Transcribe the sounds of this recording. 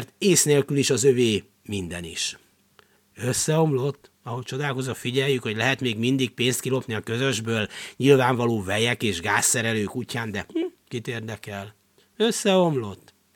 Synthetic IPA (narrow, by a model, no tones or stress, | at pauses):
rt̪eːsneːlkyliʃɒzøveː | mind̪ɛnḭʃ | øsːɛo̞mlo̞t̪ː | ɒɦo̞ct͡ʃo̞d̪aːlko̞zofiɟɛjːykho̞ɟlɛɦɛt̪meːɡmind̪ik̚peːnst̪kilo̞pniɒkø̞zø̞ʒbøːlɲilvaːɱvɒloːvɛjɛkeːʒɡaːsːɛɾɛløːkucːaːnd̪ɛ | kit̪eːrd̪ɛkɛl | øsːɛo̞mlo̞t̪ː